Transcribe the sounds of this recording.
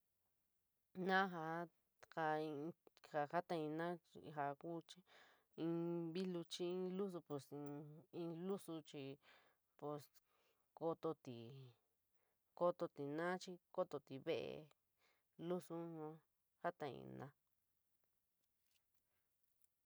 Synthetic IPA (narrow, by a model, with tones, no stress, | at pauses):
nã˦ɦa˧˦ | ka˧ĩ˧ha˨ha˦t̪ã˧ĩ˧nã˦ḭ˧ɦa˧ku˦t͡ʃi˦ | ĩ˧βi˦lu˧t͡ʃi˦ĩ˦lu˦s̬u˧pe˧sĩ˧ĩ˧lu˦su˧t͡ʃi˧ | pu˧s | ko˧t̪o˧t̪i˨ | ko˧t̪o˧t̪i˨nã˦t͡ʃi˦ko˦t̪o˧t̪i˨βe˦ʔḛ˧ | lu˦su˦nã˧˦ | ha˦t̪ã˧ḭ̃˧nã̰˧